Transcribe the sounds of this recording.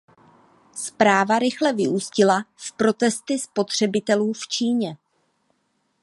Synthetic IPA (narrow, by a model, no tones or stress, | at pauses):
spɾaːvaɾɪxlɛvɪʔuːscɪlaspɾo̞t̪ɛst̪ɪspo̞t̪r̝̥ɛbɪt̪ɛluːft͡ʃiːɲɛ